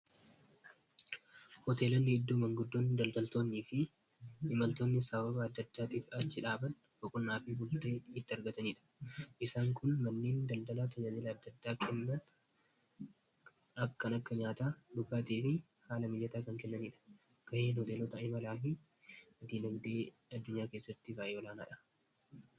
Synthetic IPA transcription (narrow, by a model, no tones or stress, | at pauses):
hɔt̪e̞ːlɐnːɪɪd̪ːuːmɐŋɡʊd̪ːoːnːɪd̪ɐld̪ɐlt̪oːnːiːfɪ | ʔɪmɐlt̪o̞ːnːɪsɐbɐbɐːd̪ːɐd̪ːaːt̪iːfɐt͡ʃːɪᶑaːbɐn | bɔkʼʊnːaːfibʊlt̪e̞ːɪt̪ːɪɐɾɡɐt̪ɐniːᶑɐ̥ʔɪsaːŋkʰʊnmɐnːeːnd̪ɐld̪ɐlaːt̪ɐd͡ʒaːd̪elɐːd̪ːɐd̪ːaːkʰɛnːɐn | ɐkːɐnɐkːɐɲaːt̪aːᶑʊkaːt̪iːfɪ | haːlɐmɪjːɐt̪aːkɐŋkɛnːɐniːᶑɐ̥ | kɐheːnhɔt̪eːlɔt̪ɐʔɪmɐlaːɦɪ | d̪iːnɐɡd̪eː | ɐd̪ːʊɲːaːke̞ːsːɐt̪ːɪvaːjoːlaːna̰ːᶑɐ̥